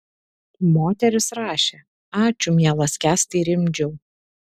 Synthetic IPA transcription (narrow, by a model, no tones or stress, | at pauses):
moːt̪ʲɛɾʲɪsɾɑːʃʲe | ɑːt͡ʃʲʊmʲjɛlˠɐsʲkʲæːst̪ʲɐɪɾʲɪmʲd͡ʒʲɛʊ